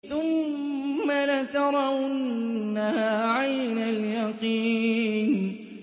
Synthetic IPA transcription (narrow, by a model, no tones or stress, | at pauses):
θʊmː | alat̪ɑɾˤɑwnːahaːʕajnaljɑqiːn